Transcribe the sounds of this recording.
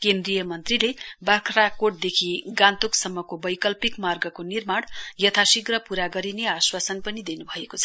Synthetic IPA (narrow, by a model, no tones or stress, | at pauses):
kend̪rijʌmʌnt̪rilebakʰrakoʈ̚d̪ekʰiɡãnt̪uksʌmːʌkobʌjkʌlpikmarɡʌkonirmaɽ̃jʌt̪ʰasiɡrʌpuɾaɡʌɾineaswasʌnpʌnid̪enubʱʌekot͡sʰʌ̥